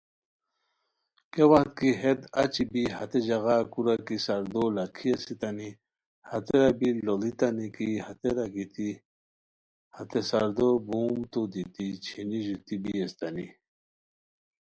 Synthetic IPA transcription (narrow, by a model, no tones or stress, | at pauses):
kewaht̪̚kiɦed̪ɐt͡ɕibiɦɐ̰t̪ed͡ʑɐɣakuɾakisɐɾd̪olɐkʰiesit̪ani | hɐt̪eɾabilolit̪anikihat̪eɾaɡit̪i | hɐt̪esɐɾd̪obuːmt̪od̪it̪it͡ɕʰiniʑut̪ibiest̪ɐni